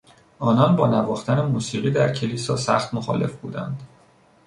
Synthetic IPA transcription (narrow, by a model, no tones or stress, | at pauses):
ʔɒːnɒnbɒːnævɒːxt̪ænemuːsiːʁiːd̪æɾcʰe̞liːsɒːsæ̰xt̪moxɒ̰ːle̞fbṵːd̪æ̰nd̪̥